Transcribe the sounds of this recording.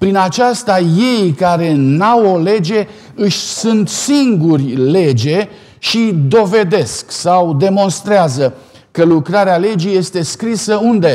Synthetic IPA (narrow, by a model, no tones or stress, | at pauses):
pɾinat͡ʃast̪aje̞jkaɾe̞nawo̞le̞d͡ʒe̞ | ɨʃʲsunt̪siŋɡurʲle̞d͡ʒe̞ | ʃid̪o̞ve̞d̪e̞sksawd̪e̞mo̞nst̪ɾeazə | kəlukɾaɾeale̞d͡ʒije̞st̪e̞skɾisəund̪e̞